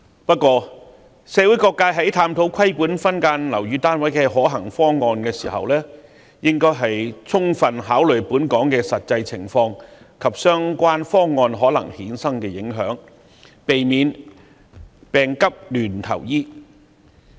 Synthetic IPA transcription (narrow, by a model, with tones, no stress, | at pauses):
pɐ˥t̚kʷːwɔː˧ | sɛ˨˧wu˨˥jkɔː˧kːaː˧ɦɐ˨˥jt̪ʰaː˧mt̪ʰo˨˥wkʰɐ˥jpuː˨˥nfɐ˥nkaː˧nlɐ˨˩wjyː˧t̪aː˥nwɐ˨˥jkɛ˧ɦɔː˨˥ɦɐ˨˩ŋfɔː˥ŋːɔː˧nkɛː˧sḭː˨˩ɦɐ̰˨wlɛː˥ | jɪ˥ŋkɔː˥jɦɐ˨jt͡sʰʊ˥ŋfɐ˨nɦaː˨˥wlɵ˨˩ɥpuː˨˥nkɔː˨˥ŋkɛː˧sɐ˨t̚t͡sɐ˧jt͡sʰɪ˨˩ŋfɔː˧ŋ | kʰɐ˨p̚sœː˥ŋkʷaː˥nfɔː˥ŋːɔː˧nɦɔː˨˥lɐ˨˩ŋhiː˨˥nsɐ˥ŋkɛː˧jɪ˨˥ŋɦœ̰ː˨˥ŋ | pe˨jmiː˨˧n | pɛː˨˩ŋkɐ˥p̚lyː˨˩nt̪ʰɐ̰˨˩wjiː˥